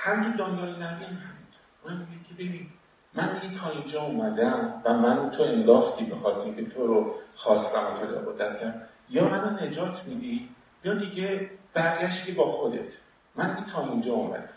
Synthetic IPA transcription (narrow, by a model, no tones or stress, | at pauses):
hæmit̪ʰod̪ɒnd̪ɒlnævenhæmint̪ʰo̥ | unammiɡiːd̪̥cʰe̞be̞biːn | mænmiɡit̪ʰɒːind͡ʒɒːumæd̪æmvæmænt̪ʰoe̞nd̪ɒːxt̪ʰiːbexɒːt̪ʰeɾikʲʰe̞t̪ʰoɾoxɒːst̪æmot̪ʰod̪ḛbod̪æft̪ʰæm | jɒːmænonːe̞d͡ʒɒːt̪ʰmid̪i | jijɒd̪iːɟeb̥æɾɡæʃt̪ibɒːxo̞d̪e̞̰t̪ʰ | mændiɡit̪ʰɒːind͡ʒɒːomæ̰d̪æm